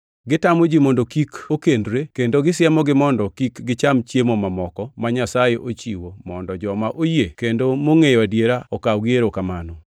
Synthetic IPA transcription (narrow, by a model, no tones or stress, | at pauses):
ɡɪtamod͡ʒimondokikokendɾekendoɡɪsjɛmɔɡɪmɔndɔkikɡɪt͡ʃamt͡ʃjemomamɔkɔmaɲasajeʔot͡ʃiwomɔndɔd͡ʒɔmaʔojekendomoŋejwadjeɾaɔkawɡjeɾokamanɔ